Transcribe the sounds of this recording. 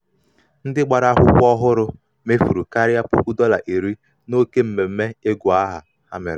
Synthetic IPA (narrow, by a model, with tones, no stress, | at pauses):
n̩˦dɪ˦ɡ͡ba˨ɾa˦ɦʊ˦kʷɔ˦ɦʊ˦ɾʊ˦ | me˦fu˨ɾu˨ka˦ɾɪ˦a˦pʊ˦kʷu˦dɔ˦la̰˨ʔe˨ɾi˦ | no˦ke˦m̩˨me˨m̩˦me˦e˦ɡʷʊ˨a˦ɦa˨ | ha̰˦mɪ̰˨ɾɪ˨